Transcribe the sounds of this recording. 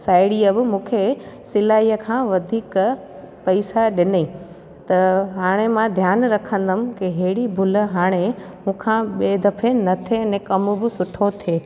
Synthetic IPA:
saːɪɽiəbɪmũːkʰesɪlaːiːəkʰãːʋɐd̪ʱiːk | pɐɪsaɗɪniː | t̪ɐɦaːɽ̃emãd̪ʱjaːnɾɐkʰə̃nd̪əmɪ̆kiɦeːɽibʱʊlə̆ɦaːɽ̃e | mũːkʰãɓeːd̪ɐpʰenɐt̪ʰenẽkɐmʊ̆bɪsʊʈʰot̪ʰeː

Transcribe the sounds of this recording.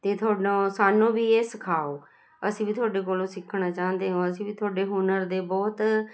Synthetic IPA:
t̪eːt̪ʰʊaːɖõːsaːnũːbiːeːsəkʰaːoː | əsĩːbiːt̪ʰʊaːɖeːk̬oːlõːsɪkʰːɳaːt͡ʃãːnd̪eːɦaõːəsĩːbiːt̪ʰʊaːɖeːɦunəɾd̪eːbɔːt̪

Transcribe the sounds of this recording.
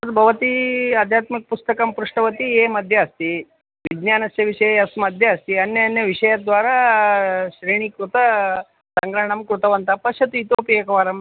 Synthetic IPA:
ɐt̪bʱɐʋɐt̪iɐd̪ʱjaːt̪mik̚pust̪ɐkɐmpɾuʂʈɐʋɐt̪ieːmɐd̪ʱjɐːst̪i | ʋid͡ʒnjaːnɐsjɐʋiʂɐjɐɐsmɐd̪ʱjɐɐst̪iɐnjɐɐnjɐʋiʂɐjad̪ʋaːɾaː | ʃɾiːɳ̃ikɾut̪ɐ | sɐŋɡɾɐɦɳ̃ɐmkɾut̪ɐʋɐnt̪ɐpɐʃjɐt̪uit̪oːpijekɐʋaːɾɐm

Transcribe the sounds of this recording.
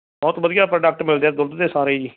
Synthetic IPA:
bɔːt̪ʋəd̪ijaːpɾəɖək̚ʈmɪld̪ɛːd̪ʊld̪d̪eːsaːɾeːd͡ʒiː

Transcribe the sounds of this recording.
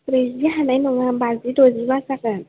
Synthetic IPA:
ɾeziaanainuŋambazidozibasakan

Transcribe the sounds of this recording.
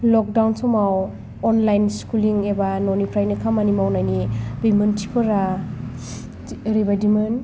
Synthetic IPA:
lɔk̚dawnsɔmaw | ɔnlajnskuliŋebanonipʰɾajnakʰamanimawnajnibimɯntʰipʰɯɾa | ɾibadimɯn

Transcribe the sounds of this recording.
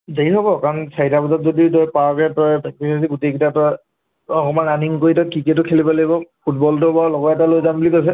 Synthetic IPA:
deiɦɔbɔkaɹɔnsʰaitapɔzatzoditɔjpaɹkɛtɔjpɛk̚tisasiɡutekitatɔ | ɔkɔmananiŋkoɹitɔkikɛtʊkʰelibɔlaɡibɔpʰut̚bɔltʊbaɹlɔɡɔɛtalojzambulikajs̬ɛ

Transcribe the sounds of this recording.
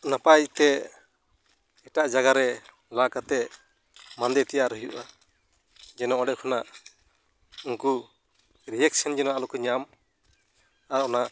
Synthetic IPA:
napajt̪ɛ | ʈaʔd͡ʒaɡaɾɛ | lakat̪ɛ | mand̪ɛt̪ɛjaʔɾəjuʔa | d͡ʒɛnɔɔɖɛʔ̚kʰɔnaʔ | uŋku | ɾijɛk̚sɛnd͡ʒɛnaʔalɔkɔɲam | aɾɔnaʔ

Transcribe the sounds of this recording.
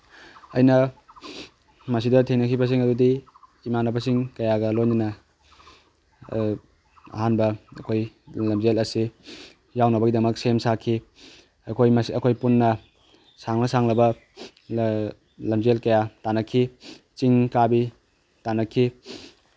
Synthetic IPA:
ɐjnɐ | mɐs̬idɐtʰejnɐkʰibɐs̬iŋɐdudi | imanɐbɐsiŋkɐjaɡɐlojninɐ | ɐ̰ɦanbɐɐkʰoj | lɐmzelɐsi | jawnɐbɐɡidɐmɐksemsakʰːi | ɐkʰojmɐsɐkʰojpunːɐ | saŋnɐsaŋlɐbɐ | lɐmzelkɐjatanɐkʰːi | t͡ʃiŋkabi | tanɐkʰːi

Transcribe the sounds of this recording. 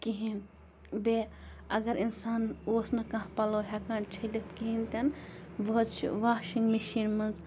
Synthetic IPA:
kiɦin | beɐɡɐɾinsaːnoːsnɐkɐ̃ɦpɐloɦɐkaːnt͡ʃʰɐlit̪kiɦint̪ɐnʋɐɦt͡ʃʰḭʋaːʃĩŋɡmeʃiːnmɐnz

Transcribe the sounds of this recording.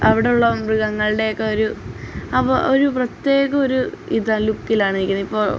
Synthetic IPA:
ɐʋiɽe̞juɭːɐmrɨɣɐŋːɐɭɨɽe̞jokːe̞o̞ɾuɐpoɾuprɐt̪ːje̞ːɣɐo̞ɾuiðɐlukːilaːɳɨiɾikʲːunːɐipːo̞ːɭ

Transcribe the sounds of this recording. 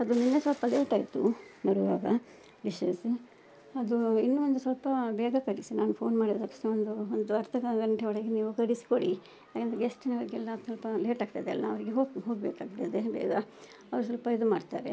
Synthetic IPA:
ɐd̪uninːesɐlpɐleːʈaːjt̪ṵnɐɾuʋaːɡɐ | ɖiʃes | ɐd̪uinːuʋond̪usɐlpɐbɛːɡɐkɐɽisinaːnupʰo̞ːnmaːɽit̪ɐkːʂnɐond̪uond̪uɐɾt̪ʰɐkɐɡɐɳʈeʋɔɭɐɡeniːʋukɐɽisi̥koɽi | jakend̪ɾeɡesʈinɐʋɐɾɡɛlːɐsɐlpɐleːʈaːɡ̚t̪ɐd̪eɐlːɐɐʋɐɾiɡeɦoːɦoːɡbeːkaːɡ̚t̪ɐd̪ebɛ̰ːɡɐ | ɐʋɐɾus̬ʋɐlpɐid̪umaːɖt̪a̰ːɾḛ

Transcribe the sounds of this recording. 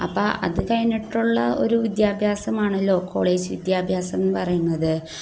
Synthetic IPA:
ɐpːoːʔɐ̰ðɨkɐjnːiʈːuɭːɐo̞̰ɾuʋid̪jaːbʱjaːsɐmaːɳɨlo̞ːkʰo̞̰ːɭe̞ːd͡ʑɨʋḭd̪jaːbʱjaːsɐmpɐrɐjunːɐðɨ

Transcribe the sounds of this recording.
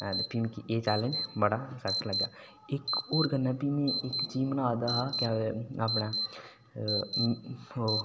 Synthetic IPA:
pimẽkiʔeːt͡ʃaːlẽnd͡ʒbɐɽasɐt̪lɐɡaː | eːkoːɾɡʱɐnːapimẽeːkt͡ʃiːmnaaːd̪aɦakjaʋeɐp̬na

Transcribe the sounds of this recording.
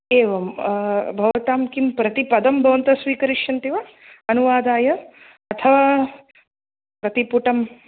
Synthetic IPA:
eːʋɐmbʱɐʋɐt̪aːmkimpɾɐt̪ipɐd̪ɐmbʱɐʋɐnt̪ɐsʋiːkɐɾiʂjɐnt̪iʋɐ | ɐnuʋaːd̪aːjɐ | ɐt̪ʰɐʋaː | pɾɐt̪ipuʈɐm

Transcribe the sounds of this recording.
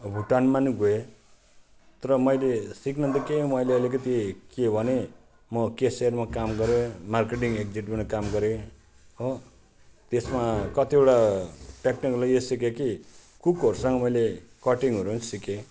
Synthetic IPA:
bʱuʈanmaniɡoe | t̪ʌɾʌmʌjlesiknʌnt̪ʌkemʌjleʌlik̬ʌt̪ikebʱʌne | mʌkesermakamɡʌɾemarkeʈ̬iŋekd͡ziʈbʌnʌkamɡʌɾe | ɦo | t̪esmakʌt̪ieʈaʈekniklajesikeki | kukʌɾusʌŋɡʌmʌjlekʌʈiŋɦʌɾuʌnsike

